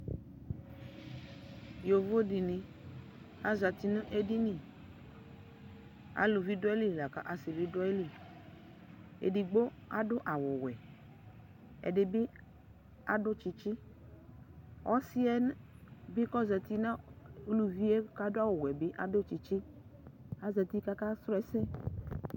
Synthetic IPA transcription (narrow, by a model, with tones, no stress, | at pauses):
jo˨vo˦di˨nĩ˨ | a˦za˨t̪i˦n˦ʔe˦di˦nĩ˨ | a̰˨lu˨vi˦dʊ˦e˦li˦˨la˨ka˨ʔa˨si˨vi˦do˦e˦li˦˨ | ḛ˨di˨ɡ͡bo˦ | a̰˦dʊ˦ʔa˨wʊ˨wɛ˨ | ḛ˨dɪ˨bi˦ | a˦ɖʊ˦t͡ʃi˨t͡ʃi˦ | wʔɔ˦si˦ɛ˦n˦bi˦kɔ˦za˨t̪i˦nã˦o˦lu˦vi˦e˦ka˦dʊ˦a˦wo˨wɛ˨bɪ˦ʔa˦dʊ˦t͡ʃi˨t͡ʃi˦ | a˦za˨t̪i˦ka˦ka˦sɾʊ˦ɛ˦sɛ˦